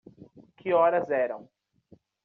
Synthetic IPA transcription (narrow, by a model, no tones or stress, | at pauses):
kʰɪɔɾɐzɛɾɐ̰̃w̃